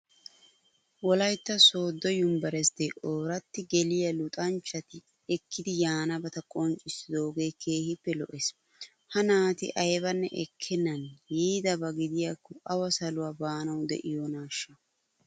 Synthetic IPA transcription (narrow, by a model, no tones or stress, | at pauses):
wɔlɐjt̪ːɐso̞ːd̪ːɔjʊmbɐɾɛsd̪eʔoːɾɐt̪ːɪɡɛlɪjɐlʊt̪ʼɐnt͡ʃːɐt̪ɪ | ɛkːɪd̪ɪjaːnɐbɐt̪ɐkʼɔnt͡ʃʼːɪsɪd̪o̞ːɡe̞ːkʰe̞ːhɪpːɛlɔʔes | hɐnaːt̪ɪ̰ʔɐjbɐnːɛ̰ʔɛkʰːɪnːɐnjiːd̪ɐbɐɡɪd̪ɪjakːɔʔɐwɐsɐlʊwaːbaːnɐwd̪ɛ̰ʔɪjɔnaːʃːɐ